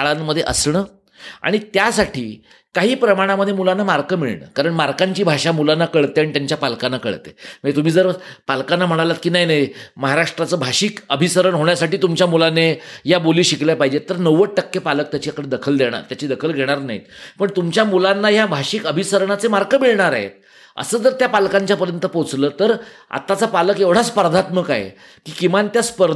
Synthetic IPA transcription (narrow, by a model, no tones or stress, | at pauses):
aɭanːəd̪ʱːjeʔə̰sɳəː | a̰ɽ̃it̪jasaʈʰḭː | kaɦiːpɾəmaɽ̃aməd̪ʱjemulanːamaɾkəmiɭɳə̰ːkaɾəɳmaɾkaɲt͡ɕiːbʱaʂamulanːakəɭt̪eaɽ̃it̪jaɲt͡ɕjapalkanːakə̰ɭt̪ḛməɡt̪um̤iːd͡zəɾpalkanːam̤əɽ̃alat̪̚kiːnaɦjnaɦməɦaɾaʂʈɾat͡səːbʱaɕikəbʱisəɾəɳɦoɳjasaʈiːt̪umt͡ɕjamulaneɦjaboliːɕikljapaɦid͡ʑet̪ːəɾnəʋəʈ̚ʈəkːepalək̚t̪jat͡ɕijakəɽed̪əkʰəld̪eɽ̃a̰ɾt̪jat͡ɕiːd̪əkʰəlɡʱeɽ̃aɾna̰ɦḭt̪pəɳt̪umt͡ɕjamulanːajabʱaɕikəbʱisəɾɳ̃at͡semaɾɡəmiɭɳaɾa̰ɦḛt̪ | ə̰səːd͡zəɾt̪japalkaɲt͡ɕjapəɾjənt̪əpot͡sləːt̪əɾa̰t̪ːat͡sapaləkeʋɽ̤aspəɾd̪ʱat̪məkaɦḛ | kiːkimant̪jaspəɾ